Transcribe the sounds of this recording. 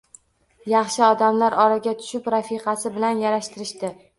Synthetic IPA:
jɑχʃɪɒd̪amlaɾɒɾaɡʲat̪ʰʊ̥ʃɪpɾafiqʰɑsɪbɪlanjaɾaʃt̪ʰɪɾɪʃt̪ɪ

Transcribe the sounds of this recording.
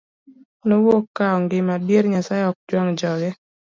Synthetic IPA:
nowokːaɔŋɡɪmadjeɾɲasaɪɔk̚d͡ʒwaŋd͡ʒɔɡɛ

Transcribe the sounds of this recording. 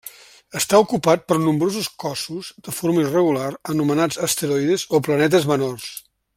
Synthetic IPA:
əst̪aukupat̪̚pəɾnumbɾozuskɔsuzd̪əfoɾməirəɣulaɾənumənad͡zəst̪əɾɔjðezoplənɛt̪̬əzmənors

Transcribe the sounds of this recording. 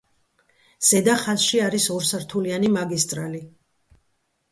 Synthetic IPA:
z̥ɛd̪aχazʃiaɾisɔɾsaɾt̪ʰulianimaɡist̪ʼɾali

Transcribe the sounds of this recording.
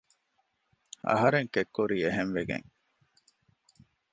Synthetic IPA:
ɐ̰ɦɐɾeŋkekːuɾiːeɦenʋeɡḛŋ

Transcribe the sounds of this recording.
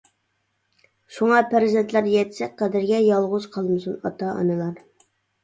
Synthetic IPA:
ʃuŋɑpʰæɾzent̪læɾjɛt̪ʰsɛk̚ʲqɑd̪ɪɾɡʲɛjɑlˠʁʊz̥qʰɑlˠmɨsunɑ̰t̪ɑɑ̰nɨlˠɑɾ

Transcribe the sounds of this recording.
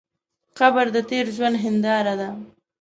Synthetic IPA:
xabəɾd̪ət̪eɾʒwand̪ɦɪnd̪ɑɾad̪a

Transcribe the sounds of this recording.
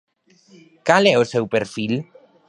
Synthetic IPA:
kalɛosewpeɾfil

